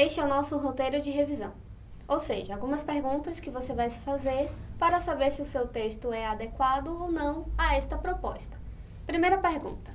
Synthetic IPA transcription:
eʃt͡ʃɪɛwnɔsʊɦot̪ejɾʊd͡ʒɪɦevizɐ̰̃w̃ | owseʒɐawɡũmɐspeɾɡũnt̪ɐskɪvosevajsɪ̥fazeɾpaɾɐsabeɾsɪʊsewt̪eʃt̪ʊɛad̪ekwad̪ʊownɐ̃w̃aɛst̪ɐpɾopɔ̰st̪ɐ̥ | pɾimejɾɐpeɾɡṵ̃t̪ɐ̥

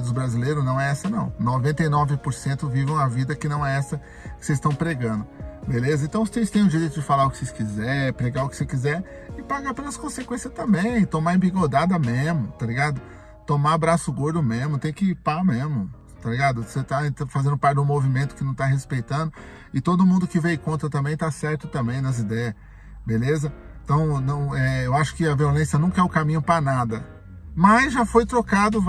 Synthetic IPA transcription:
d̪ʊzbɾazilejɾʊznɐ̃w̃ɛɛsɐnɐ̃w̃novẽnt̪ɐjnɔvɪpoɾsẽnt̪ʊvivɐ̃w̃ɐvid̪ɐkɪnɐ̃w̃ɛɛsɐ | kɪ̥sejzst̪ɐ̃w̃pɾeɡɐ̃nd̪ʊbelezɐẽt̪ɐ̃w̃ʊst̪ejst̪ẽj̃ʊd͡ʒiɾejt̪ʊd͡ʒɪfalaɾʊkɪ̥sejskizɛɾpɾeɡaʊkɪ̥sekizɛɾ | ɪpaɡapelɐskõsekwẽsjɐst̪ɐ̃mbẽj̃t̪omaẽbiɡod̪ad̪ɐmezmʊt̪aliɡad̪ʊ | t̪omabɾasʊɡoɾd̪ʊmezmʊt̪ẽj̃kɪpamezmʊ | t̪aliɡad̪ʊset̪aẽt̪ɐfazẽnd̪ʊpaɾt͡ʃɪd̪ũmovimẽnt̪ʊ̥kɪnɐ̃w̃t̪aɦespejt̪ɐ̃nd̪ʊ | ɪt̪od̪ʊmũnd̪ʊkɪvejkõnt̪ɾɐt̪ɐ̃bẽj̃t̪asɛɾt̪ʊt̪ɐ̃mbẽj̃nɐzid̪ɛjɐ | belezɐẽt̪ɐ̃w̃nɐ̃w̃ɛewaʃʊ̥kɪɐviolẽsjɐnũkɐɛʊkamĩɲʊpɾɐnad̪ɐ | maʒafojt̪ɾokad̪ʊ

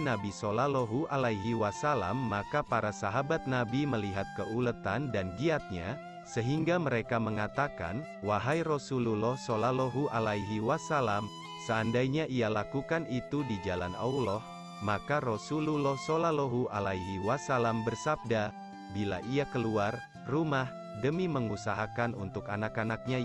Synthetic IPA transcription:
nabisolalɔɦuʔalaiɦiwasala̰mːakapaɾasaɦabat̪̚nabiməliɦat̪̚kəʔulət̪andanɡiat̪̚ɲa | səɦiŋɡaməɾekaməŋat̪aka̰n | waɦairosululɔhsolalɔɦuʔalaiɦiwasalam | səandajɲaʔialakukanit̪udid͡ʒala̰na̰ulɔh | makarosululɔhsolaloɦuʔalaiɦiwasalambərsab̚da | bila̰ʔiakəluar | rumah | dəmiməŋusaɦakanunt̪ʊkanakanak̚ɲa

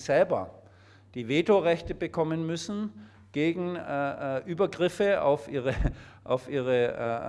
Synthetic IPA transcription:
z̥ɛlbɐ | d̥iːveːtoʁɛçtəbəkʰɔmənmʏsn̩ | ɡ̥eːɡŋ̩ː | ʔyːbɐɡʁɪfəa̰ʊfʔiːʁəʔa̰ʊfʔiːʁə

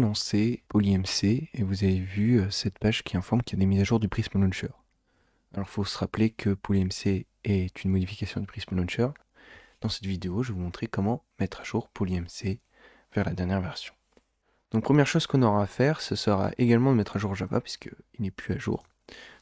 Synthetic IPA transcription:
lɑ̃sepoliɛmseːvuzavevyøsɛt̪paʒkʲʰiɛ̃fɔʁmkʲijad̪emizaʒuʁd̪ypχisməlɔ̃nʃœʁ | alɔʁfosəʁaplekʰəpoliɛmse | ɛt̪ynmɔd̪ifi̥kasjɔ̃d̪ypχisməlɔ̃nʃœʁ | d̪̥ɑ̃sɛ̥t̪vid̪eoʒəvumɔ̃t̪χekɔmɑ̃mɛt̪χaʒuːʁpʰoliɛmse | vɛʁlad̪ɛʁnjɛʁvɛʁsjɔ̃ | d̪̥ɔ̃k̚pχəmjɛʁʃozkɔ̃nɔʁaːfɛʁsəsəʁa̰ʔeɡalmɑ̃d̪əmɛt̪χaʒuʁʒaba̰pɥi̥skəilnɛplyaʒṵːʁ

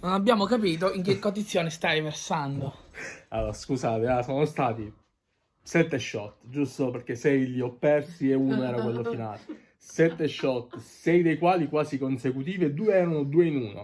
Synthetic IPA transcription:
nonabjaːmokap̬iːt̪̬oiŋk̟ekːot̪ːit̪sːjoːnest̪aɾiversand̪oalːoːɾaskusaːt̪easoːnost̪aːt̪i | sɛt̪ːeʃːɔt̪ːd͡ʒust̪operk̟esɛjʎiopːɛrsieuːnoɛːɾakwelːofinaːle | sɛt̪ːeʃːɔt̪ːsɛjd̪ejkwaːlikwaːsikonsekut̪̬iːved̪uːeɛːɾanod̪uːeinuːno̰

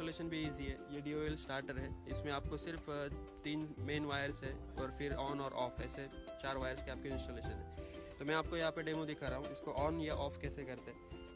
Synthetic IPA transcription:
oleːʃənbʱiiːziɦɛːjeɖiːoːeːlsʈaːɾʈəɾɦɛːɪsmẽaːp̚kosɪɾft̪iːnmeːnʋaːjəɾsɦɛ | ɔːɾfʰɪɾɔːnɔːɾʔɔːfʰɛ̰ːset͡ʃaːɾʋaːjəɾskeaːp̚keɪʈoleːʃənɦɛ̃ːt̪omɛ̃aːp̚kojɐɦãpeɖeːmõd̪ɪkʰaɾaɦũɪskoʔɔːnjaʔɔːfkɛːsekɐɾt̪eɦɛː

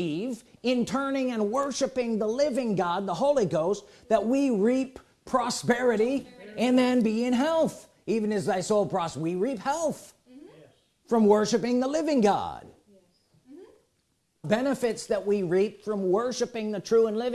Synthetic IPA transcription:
ivɪ̃ntʰɜ̃˞nɪ̃ŋɨ̃nwɜ˞ʃɨpɪ̃ŋðəlɪvɪ̃ŋɡɑd̪̚ðəɦoʊlˠiɡoʊst̪̚ | ðɨt̚wiɹipʰ | ɹ̥ɑspɛɹɨɾiɨ̃nðɨ̃nbiɪ̃nɦɛlˠθ | ivɨ̃nɨzaɪsɔpʰɹ̥ɑswiɹip̚hɛlˠθ | fɹʌ̃mwɜ˞ʃɨpɪ̃ŋðəlɪvɪ̃ŋɡɑ̰d̥̚ | bɛnɨfɨtsðɨt̚wiɹipfɹʌ̃mwɜ˞ʃɨpɪ̃ŋðɨtʰɹ̥ʉə̃nlɪṽ

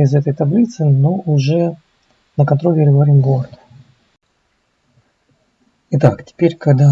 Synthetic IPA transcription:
ɪzɛt̪əjt̪ɐblʲit̪sɨnoʔʊʐɛ | nəkɐnt̪ɾo̞lʲɪɾʲɪvɐɾʲimɡord̪ | ɪt̪aktʲɪ̥pʲeɾʲkɐɡd̪a

